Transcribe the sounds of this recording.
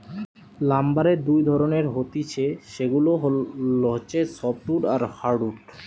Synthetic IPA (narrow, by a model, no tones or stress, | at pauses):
lambaɾed̪ujd̪ʱɔɾoneɾɦot̪it͡ɕʰeʃeɡuloɦloɦt͡ɕʰesɔp̚ʈuʈaɾhaɾɖuʈ